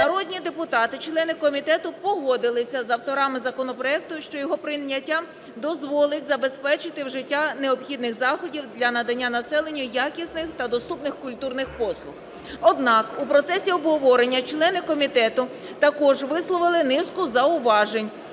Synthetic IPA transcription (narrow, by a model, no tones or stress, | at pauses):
nɐɾɔdʲnʲid̪epʊt̪ɑt̪ɪt͡ʃlˠɛnɪkɔmʲit̪ɛt̪ʊpɔɦɔd̪ɪlˠɪsʲɐzɐwt̪ɔɾɑmɪzɐkɔnɔpɾɔɛk̚t̪ʊʃt͡ʃɔjɔɦɔpɾɪɐtʲːa | d̪ɔzʋɔlˠɪtʲzɐbe̞spɛt͡ʃɪt̪ɪwʒɪtʲːaneɔbxʲid̪nɪxzɑxɔdʲiwd̪lʲɐnɐd̪ɐnʲːanɐsɛlˠenʲːʊjakʲisnɪxt̪ɐd̪ɔst̪upnɪxkʊlʲt̪urnɪxpɔslˠʊx | ɔd̪nɑkupɾɔt̪sɛsʲiɔbɦɔʋɔɾenʲːɐt͡ʃlˠɛnɪkɔmʲit̪ɛt̪ʊ | t̪ɐkɔʒʋɪslˠɔʋɪlˠɪnɪskʊzɐʊʋɑʒenʲ